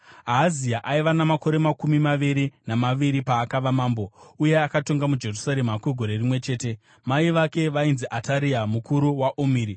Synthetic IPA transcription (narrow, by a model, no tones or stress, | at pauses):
aːziaʔaiʋanamako̞ɾe̞makumimaʋiɾinamaʋiɾipaːkaʋamaːmbo̞uje̞akato̞ŋɡamud͡ʒe̞rusaɾe̞makwiɡʱo̞ɾe̞rimwe̞t͡ʃe̞ːte̞ | maiʋake̞ʋainziʔatʰaɾiamukʰuɾuwaʔomiːɾi